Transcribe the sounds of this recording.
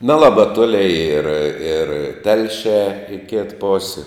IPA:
nʲɛˈlˠɑːbɐ ˈtoːlʲɪ ɪr ɪr ˈtʲɛlʲʃʲæː ɪ kʲɪt ˈpoːsʲɪ

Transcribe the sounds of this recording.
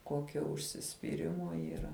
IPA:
ˈkoːkʲoː ʊʃʲsʲɪsʲpʲiːˈrʲɪmoː iːˈrɐ

